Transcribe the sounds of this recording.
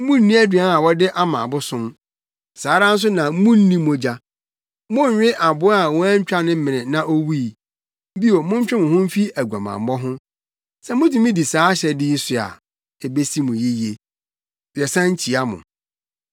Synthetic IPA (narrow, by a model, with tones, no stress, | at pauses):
mũ˦n̩ː˦ĩ˦æ˦dɥa˨˦a˨wɔ˦dɪ˦ʔa˦mã̰ː˨bʊ˦sʊ̃˦m | saː˨˦ɾa˦n̩˦s̬ʊ˦nã˨˦mũ˦n̩˦nĩ˦mʊ̃˦d͡ʑa˦ | mʊ̃˦ɲᶣ˨ɪ˦ʔa˨bʊ˦a˨wɔ˦æ˦ɲ̩˦t͡ɕᶣa˦nɪ̃˦m̩˦mɪ̃˨nɪ̃˨nã˦ʔo˦wu˦i˨ | m̩˦bi˦o˨mʊ̃˦ɲ˦t͡ɕᶣɪ˦mʊ̃˨ɦʊ̃˦m̩˦fi˦æ˨ɡʷa˨mã̰˨m˦bɔ˦ɦʊ̃˦ | sɛ˦mʊ̃˦di˦mĩ˦di˨saː˨˦ɕɛ˨dɪ˦ji˦sʊ˨a̰˨ | e˨be˦si˦mʊ̃˨je˦je˨ | d̥ɛ˨sã˦ɲ̩˦t͡ɕʰi˨a˦mʊ̰̃˨